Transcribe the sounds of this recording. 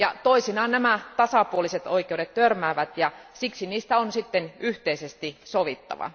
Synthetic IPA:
jɑt̪oisinɑːˑnnæmæt̪ɑsɑpuoliset̪oikeuɾet̪t̪ørmæːʋæt̪jɑsiksiniːst̪æonsit̪ːenyht̪eisest̪isoʋit̪ːɑ̰ʋɑ̰

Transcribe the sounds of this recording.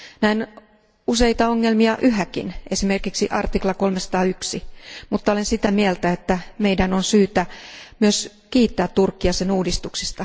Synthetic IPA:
næin | usejt̪ɑoŋːelmiɑʔyɦækḭnʔesime̞rkiksiʔɑrt̪iklɑkolmesɑ̥t̪ɑːyksimut̪ːɑolensit̪æmielt̪æet̪ːæmeidænonsyːt̪æmyøs | kiːt̪ːæːt̪turkːiɑsenuːdist̪uksist̪ɑ

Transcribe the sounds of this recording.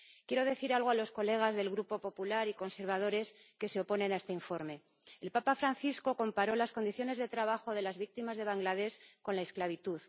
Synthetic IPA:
kje̞ɾo̞ðe̞θiɾalɣ̞oalo̞sko̞le̞ɣ̞azðe̞lɣɾupo̞po̞pulaɾiko̞nse̞ɾβ̞að̞o̞ɾe̞ske̞se̞o̞po̞nenaest̪eiɱfo̞ɾme̞ | elpapafɾanθisko̞ko̞mpaɾo̞lasko̞nd̪iθjo̞ne̞zðe̞t̪ɾaβaxo̞ð̞e̞lazβik̚t̪imazðe̞β̞aŋɡlað̞e̞sko̞nlae̞sklaβit̪uð

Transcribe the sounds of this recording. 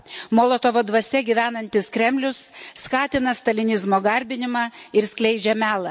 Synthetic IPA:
moːlˠot̪oʋoːd̪ʋɐsʲɛɡʲiʋʲæːnɐnʲt̪ʲɪskɾʲɛmʲlʲʊsːkɑːt̪ʲɪnɐst̪ɐlʲɪnʲɪzmoːɡɐɾʲbʲɪnʲɪmɑːɪɾsʲklʲɛɪd͡ʒʲɛmʲæːlˠɐ

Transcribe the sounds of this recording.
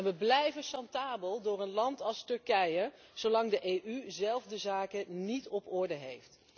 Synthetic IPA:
nʋəblɛjvəsɑntaːbəlˠdʊːrənlɑntɑlˠstɵɹkɛjə | z̥owlɑŋdəʔejʔyzɛlˠvdəzaːkənitɔpɔɹdəɦejft

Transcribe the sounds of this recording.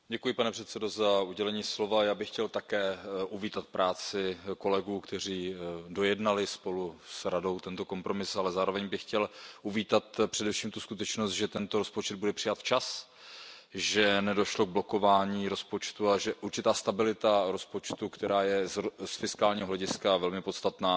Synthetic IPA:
ɟɛkujɪpanɛpr̥ɛt̪sɛdo̞zauɟɛlɛɲiːslo̞vajaːbɪxcɛlt̪akɛːʔuviːt̪at̪̚pɾʔaːt͡sɪko̞lɛɡuːkt̪ɛr̝iːdo̞jɛdnalɪspo̞lusɾado̞wt̪ɛnt̪o̞ko̞mpɾo̞mɪsalɛzaːɾo̞vɛɲbɪxcɛlʔuviːt̪at̪pr̝̥ɛdɛfʃiːmt̪uskut̪ɛt͡ʃnost̪ʒɛt̪ɛnt̪oɾo̞spot͡ʃɛd̪̚budɛpr̥ɪjat̪ft͡ʃas | ʒɛnɛdo̞ʃlo̞ɡ̚blo̞ko̞vaːɲiːɾo̞spo̞t͡ʃt̪uaʒɛʔuɾt͡ʃɪt̪aːst̪abɪlɪt̪aɾo̞spo̞t͡ʃt̪ukt̪ɛɾaːjɛsfɪskaːlɲiːɦoɦlɛɟɪskavɛlmɪpo̞t̪st̪at̪naː

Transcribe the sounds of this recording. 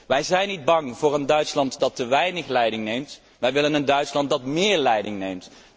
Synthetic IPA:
ʋɛjzɛjnid̚bɑŋvʊːɹəndœɥtslɑntdɑtːəʋɛjnəχlɛjdɪŋnejmt | ʋɛjʋɪlənəndœɥtslɑnt̚dɑtmɪːɹlɛjdɪŋnejmt

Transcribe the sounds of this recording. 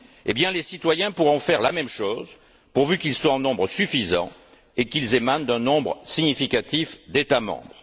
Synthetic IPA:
ebjɛ̃lesit̪wajɛ̃puʁɔ̃fɛʁlamɛmʃoz | puʁvykilswaɑ̃nɔ̃bʁəsyfizɑ̰̃ | ekilzemand̪ɛ̃nɔ̃bʁsiɲifikat̪ifd̪et̪amɑ̰̃bʁ

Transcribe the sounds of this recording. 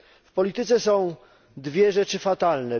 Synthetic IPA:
fpɔlʲit̪ɘt̪sɛsɔ̃w̃ | d̪vʲjɛʐɛt͡ʂɘfat̪alnɛ

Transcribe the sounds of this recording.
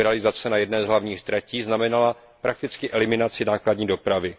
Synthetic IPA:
ɛalɪzat͡sɛnajɛdnɛːzɦlavɲiːxt̪ɾɛciːznamɛnala | pɾʔak̚t̪ɪt͡skɪʔɛlɪmɪnat͡sɪnaːkladɲiːdo̞pɾavɪ

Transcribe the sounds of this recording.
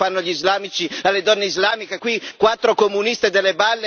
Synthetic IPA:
anːoʎːizlaːmit͡ʃialːed̪ɔnːeizlaːmikekwikwat̪ːɾokomunist̪ed̪elːebalːe

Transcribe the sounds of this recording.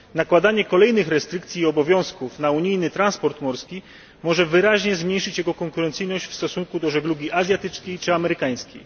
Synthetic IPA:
nakwad̪aɲɛkɔlɛjnɘxɾɛst̪ɾɘkt̪sʲiːɔbɔvʲjɔ̃w̃skufnauɲijnɘt̪ɾanspɔɾt̪mɔɾskʲi | mɔʐɛvɘɾaʑɲɛzmɲejʂɘt͡ɕjɛɡɔkɔŋkuɾɛnt̪sɘjnɔɕt͡ɕfst̪ɔsuŋkud̪ɔʐɛɡluɡʲiʔazʲjat̪ɘt͡ʂkʲejt͡ʂɘamɛɾɘkaj̃skʲḛj

